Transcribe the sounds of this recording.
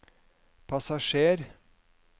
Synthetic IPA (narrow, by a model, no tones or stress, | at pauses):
pʰɑsɑʃeːɾ